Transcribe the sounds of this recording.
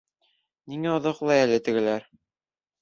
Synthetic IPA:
niŋæŏðɤqlˠɑjælɘt̪ɘ̆ɡɘ̆læɾ

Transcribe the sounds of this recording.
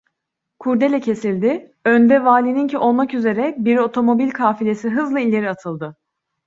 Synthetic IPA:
kʰuɾd̪e̞lʲɛcʰe̞silʲd̪ɪønd̪ɛvaːlʲinincʰiʔo̞lˠmakyze̞ɾɛbiɾo̞t̪ʰo̞mo̞bilʲkʰaːfilʲe̞siɦɯzlˠailʲːe̞ɾiat̪ʰɯlˠd̪ɯ

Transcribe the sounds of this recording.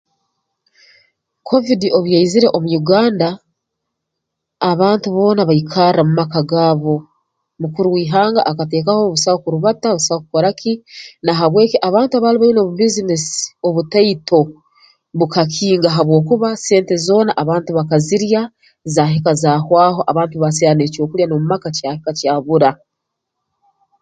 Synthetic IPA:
kʰo̞vidio̞βujaiziɾe̞ʔomujuɡaːnda | βaːntuβo̞ːnaβaikʰaramumakaɡaːβo̞ | mukuɾuwiːɦaːŋɡa̰ʔakate̞ːkaho̞βusahokuɾuβataβusahokukoɾakʰinaɦaβwe̞ːkiʔaβaːntuaβaːliβaino̞βubizinesi̥o̞βutaitʰo̞ | βukakʰiːŋɡaɦaβwo̞ːkuβase̞ːnte̞zo̞ːnaʔaβaːntuβakaziɾja | zaːɦikazaːhwaːho̞ʔaβaːntuβaseane̞ːco̞ːkuljano̞mumakacahikacaːβuɾa

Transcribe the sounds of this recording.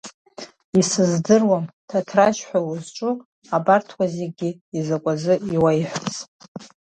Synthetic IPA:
isɨzdɨrwamtʰatʰraʃħʷᶣawuzʈ͡ʂʷʼʊ | abartʰwʷazeɡʲɪizakʷʼazɨiwajħʷt͡sʼ

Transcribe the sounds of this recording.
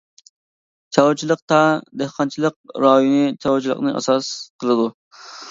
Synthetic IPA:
t͡ʃʰɑwut͡ʃʰilˠəq̚t̪ʰɑd̪ehqɑnt͡ʃʰilˠəq̚ɾɑjunɨt͡ʃʰɑwt͡ʃʰilˠə̰qnɨʔɑ̰sɑsqʰəlˠɨd̪u

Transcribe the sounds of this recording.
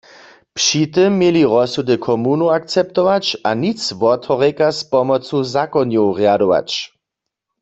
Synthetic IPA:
pʂit̪ɪmːjeliʁɔsudɪkʰɔmunoak̚t͡sɛp̚t̪ɔʋat͡ʃanit͡sʋɔt̪ɔʁekaspɔmɔt͡suzakɔnjowʁjadɔʋa̰t͡ʃ

